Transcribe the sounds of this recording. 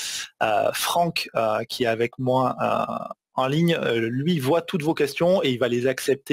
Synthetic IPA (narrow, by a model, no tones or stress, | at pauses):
ø̰fχɑ̃køkʲʰiɛavɛkmwaø̰ | ɑ̃liɲlɥivwat̪ut̪vokʲɛst̪jɔ̃eilvalezaksɛp̚t̪e